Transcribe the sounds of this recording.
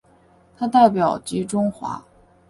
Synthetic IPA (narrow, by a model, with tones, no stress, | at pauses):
t̪ʰa˥t̪a˥˩ɪpjɑ˨˩ʊt͡ɕi˧˥ʈ͡ʂʊ˥ŋxwa̰˧˥